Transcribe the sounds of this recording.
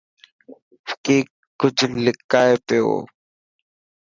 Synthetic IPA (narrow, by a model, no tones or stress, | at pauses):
kiː | kʊd͡ʒʱlɪkaːepɪjo̰ː